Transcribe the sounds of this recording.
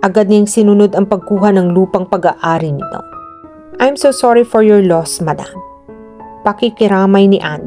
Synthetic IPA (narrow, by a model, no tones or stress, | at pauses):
ʔɐɡad̪̚nɐŋsɪnʊno̞d̪ɐŋpɐɡ̚kuːɦɐnɐŋluːpɐŋpɐɡa̰ʔaːɾinɪt̪o̞̰ | ʔajmsowsɔɹifɔɹjɔɹlɔsmɐd̪a̰m | pɐkikɪɾaːmɐjnɪʔan